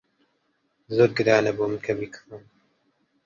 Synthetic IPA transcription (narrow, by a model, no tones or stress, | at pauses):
zoːɾɡɨɾaːnɐboːmɨnkʰɐbikʰɨm